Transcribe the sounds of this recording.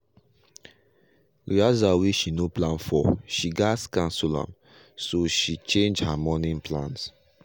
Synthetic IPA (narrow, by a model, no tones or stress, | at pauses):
liazawiʃinoplãnfɔʃiɡaskãnsulã̰m | soʃit͡ʃẽnd͡ʒhamɔnĩnplãns